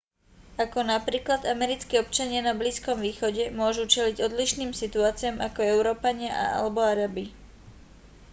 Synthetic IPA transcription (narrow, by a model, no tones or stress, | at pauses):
akɔnapɾiːklad̪amɛɾit͡skiɔp̚t͡ʃaɲɪanabliːskɔmʋiːxɔɟɛmʊɔʒut͡ʃɛliɟɔd̪liʃniːmsit̪uaːt͡siamakɔɛʊɾɔːpaɲɪaʔa̰ʔa̰lɛbɔaɾabi